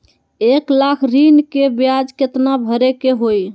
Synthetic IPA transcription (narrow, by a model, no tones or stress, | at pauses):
eklakʰɾinkebjad͡ʒket̪nabʱəɾekeɦoj